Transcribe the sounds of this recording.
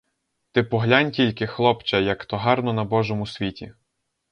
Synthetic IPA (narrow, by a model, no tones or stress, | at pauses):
t̪ɪpɔɦlʲanʲtʲilʲkɪxlˠɔpt͡ʃɐjɐkt̪ɔɦɑrnɔnɐbɔʒɔmʊsʲʋʲitʲḭ